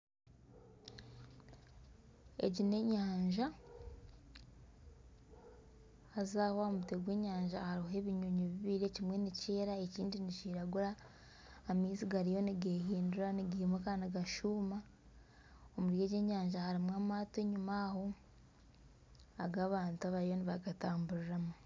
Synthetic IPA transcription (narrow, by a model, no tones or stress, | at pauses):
e̞̰ɟine̞ɲaːɲʒa | zaːhoamute̞ɡwe̞ːɲaːɲʒahaɾie̞βiɲoɲoβiβiːɾe̞cimwe̞niceːɾaeciːndiniciːɾaɡuɾaː | miːziɡaɾijo̞niɡeɦiːnduɾaniɡiːmwekaniɡaʃuːma | omuɾje̞ɟe̞ːɲaːɲʒahaɾimwaːmaːteɲumaho | aɡaːβaːntuaβajo̞niβaɡataːmbuɾiɾamu